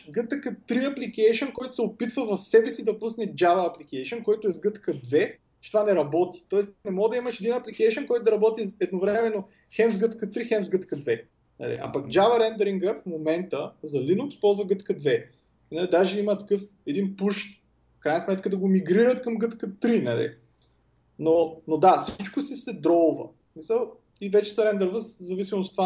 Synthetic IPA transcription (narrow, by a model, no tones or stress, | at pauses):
ɡɤt̪əkət̪ɾiɐplikɛjʃənkɔjt̪ʊ̥sɛopit̪vəvɐfsɛbɛsid̪ɐpusnɛd͡ʒavɐɐplikɛjʃənkɔjt̪ʊɛzɡɤt̪kəd̪vɛ | t͡ʃɛ̥t̪vanɛɾɐbɔt̪i̥t̪ɔɛst̪nɛmɔɡd̪ɐimɐʃɛd̪inɐplikɛjʃənkɔjt̪ʊd̪ɐɾɐbɔt̪iɛd̪novɾɛmɛno | xɛmzɡɤt̪kət̪ɾixɛmzɡɤt̪kəd̪vɛ | nɐ̰lḭʔa̰pɐkd͡ʒavəɾɛnd̪əɾiŋɡəfmomɛnt̪əzɐlinukspɔlˠzvɐɡɤt̪kəd̪vɛ | nɐlid̪aʒɛimət̪ɐkɤf | ɛd̪inpuʃt̪ | fkɾajnɐsmɛt̪kəd̪ɐɡomiɡɾiɾət̪kɐmɡɤt̪kət̪ɾinɐ̰lḭ | nonod̪asit͡ʃkosisɛd̪ɾɔlˠvə̰smisəlˠ | ivɛt͡ʃɛ̥sɐɾɛnd̪əɾvəszɐvisimot̪t̪ova